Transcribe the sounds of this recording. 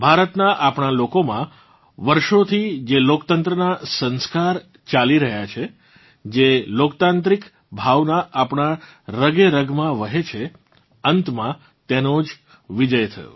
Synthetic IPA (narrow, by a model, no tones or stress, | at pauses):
bʱaɾət̪naʔapɳ̃alokomã | ʋəɾʃot̪ʰid͡ʒelokt̪ənt̪ɾənasə̃nskaɾ | t͡ʃaliɾəɦjat͡ʃʰe | d͡ʒelokt̪ãnt̪ɾik | bʱaʋnaʔapɳ̃aɾəɡeɾəɡmãʋəɦet͡ʃʰe | ənt̪mã | t̪enod͡ʒ | ʋid͡ʒəjt̪ʰə̰jo̰